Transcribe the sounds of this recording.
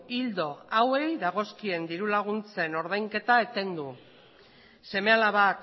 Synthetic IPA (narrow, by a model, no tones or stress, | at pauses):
ild̪o̞awe̞jðaɣ̞o̞skie̞nd̪iɾulaɣ̞unt͡se̞no̞ɾð̞ajŋke̞t̪aet̪e̞nd̪u | se̞me̞alaβak